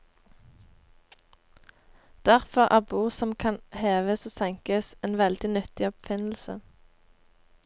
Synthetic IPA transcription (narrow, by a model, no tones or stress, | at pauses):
d̪̥æʁfɔʁʔæ̰ːʁbuːʁsɔmkʰɑnheːʋəsoːsɛŋkəseːnʋɛld̪ɪnʏt̪ɪɔpfɪnl̩sə̰